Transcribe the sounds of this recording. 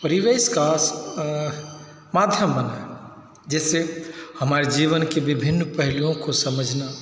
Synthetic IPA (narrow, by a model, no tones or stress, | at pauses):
pəɾiʋeska | mad̪ʱjəmːəna | d͡ʒɛːsehəmaːɾed͡ʒiʋənkebibʱɪnːpəɦlijõkosəməd͡ʒʱna